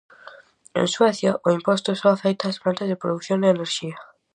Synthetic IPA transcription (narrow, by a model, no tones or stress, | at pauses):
ḛ̃nsweθjaʔoimpost̪ʊsõwafejt̪aspɾant̪ezðepɾoðuθjond̪eeneɾʃia